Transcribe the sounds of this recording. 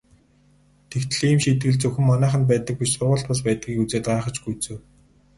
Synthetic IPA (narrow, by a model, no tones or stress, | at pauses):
t̪ʰekt̪̆ɮiːmʃit̪̚ɡɘ̆ɮt͡sɵxɘ̆mːɔnæːχə̆np̬æːt̪ə̆k̚piʃt͡sʊʁʊ̆ːɬt̪pɔs̬pæːt̪̚ɡiːkut͡seːt̪̚ɢaːχə̆t͡ɕɡujt͡sɵ̆w